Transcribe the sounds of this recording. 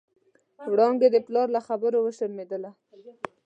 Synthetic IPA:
wɽɑŋɡed̪əplɑɾlaxabəɾowəʃəɾmed̪əla

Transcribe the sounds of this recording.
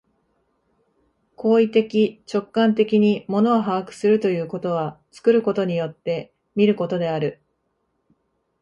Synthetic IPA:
kʰo̞ːit̪e̞kʲit͡ɕo̞kːãnt̪e̞kʲiɲ̟imo̞no̞aɦaakɯ̟̥sɨɾɯ̟t̪o̞jɯ̟ːko̞t̪o̞β̞at͡sɨ̥kɯ̟ɾɯ̟ko̞t̪o̞ɲ̟ijo̞t̪ːe̞ | mʲiɾɯ̟ko̞t̪o̞d̪e̞aɾɯ̟

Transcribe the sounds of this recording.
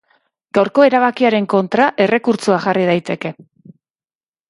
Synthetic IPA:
ɡ̥awɾko̞e̞ɾaβ̞akiaɾe̞ŋko̞nt̪ɾaʔe̞re̞kuɾt͡suaʝarið̞ajt̪e̞ke̞

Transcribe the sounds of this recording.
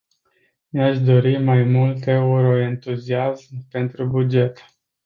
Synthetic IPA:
neaʃd̪o̞ɾimajmult̪e̞uɾo̞e̞nt̪uziazmpe̞nt̪ɾubud͡ʒe̞t̪

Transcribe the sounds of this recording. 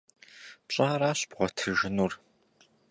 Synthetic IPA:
pɕʼaːɾaːɕb̥ʁʷɔtʰɨʒɪnuːr

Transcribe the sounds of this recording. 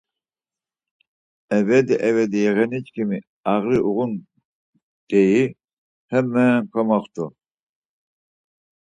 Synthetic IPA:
ɛvɛd̪iʔɛvɛd̪ijɛɣɛnit͡ʃkʰimi | aɣɾiʔuɣun | d̪̥ɛji | hɛmɛːŋkʰɔmaχt̪ʰu

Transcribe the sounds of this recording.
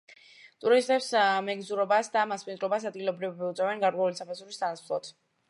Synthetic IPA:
t̪ʼuɾist̪ʼɛpsmɛɡzuɾɔbasd̪amaspʼind̪ʼɾɔbasad̪̚ɡilˠɔbɾiviut̪sʼɛvɛnɡaɾkʼwɛulisapʰazuɾist̪anaslˠɔt̪ʰ

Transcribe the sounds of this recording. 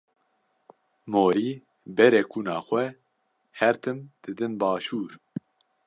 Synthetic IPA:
moːɾiː | bɛɾɛkʰuːnɑːxʷɛ | hɛɾt̪ʰɨmd̪̥ɨd̪ɨnbɑːʃuːɾ

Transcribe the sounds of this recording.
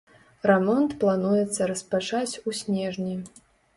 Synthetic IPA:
rɛmɔnt̪plˠanujɛt̪sːɐɾɐspat͡ʂat͡sʲusʲnʲɛʐnʲi

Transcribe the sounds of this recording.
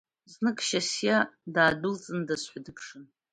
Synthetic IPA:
znɨkʼʃasjadaːdult͡sʼɨndasħʷᶣadɨkʰʂɨn

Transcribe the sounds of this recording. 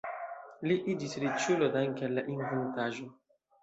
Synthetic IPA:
liʔid͡ʒisɾit͡ʃulodaŋkelːaʔinvuntaʒo

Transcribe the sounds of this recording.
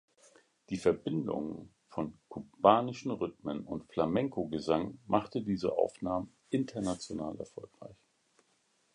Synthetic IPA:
d̥iːfɛɐbɪndʊ̰ŋ | fɔnkʰub̥aːnɪʃn̩ʁʏtmənʊntflamɛŋkoɡəzaŋmʔaχtədiːzə̰ʔa̰ʊfnaːmə | ʔɪntʰɐnat͡sjonaːlɛ̰ɐfɔlkʁ̥a̰ɪç

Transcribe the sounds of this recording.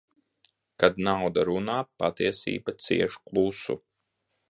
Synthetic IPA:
kad̪nawd̪aɾunaːpa̰t̪iɛsḭːbat̪sḭɛʃklˠusṵ

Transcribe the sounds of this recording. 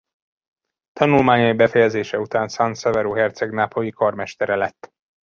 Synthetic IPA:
t̪ɒnulmaːɲɒibɛfɛjɛzeːʃɛut̪aːnsansɛvɛɾoːɦɛrt̪sɛɡnapʰojikɒrmɛʃt̪ɛɾɛlɛt̪ː

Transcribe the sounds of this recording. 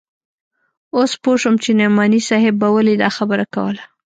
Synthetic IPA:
ospoʂəmt͡ʃenemɑnisɑɦɪbːawəlid̪ɑxabəɾaka̰wə̰la

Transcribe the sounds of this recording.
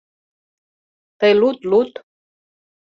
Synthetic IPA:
t̪ejlut̪lut̪

